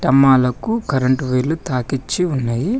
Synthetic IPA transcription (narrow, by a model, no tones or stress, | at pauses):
ʈɐmːaːlɐkukɐɾɐɳʈʋeːlut̪aːkit͡ʃːiunːaːji